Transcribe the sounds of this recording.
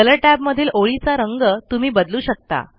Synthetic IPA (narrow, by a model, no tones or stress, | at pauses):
ələʈæbməd̪ʱiːlʔoɭit͡saɾəŋɡət̪um̤iːbəd̪luːɕək̚t̪a̰